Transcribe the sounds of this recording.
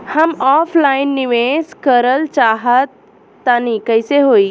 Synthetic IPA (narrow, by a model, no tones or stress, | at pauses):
həmɔːfʰlaɪnːiʋẽskəɾəlt͡ʃaɦət̪ː | anikəjseɦoːi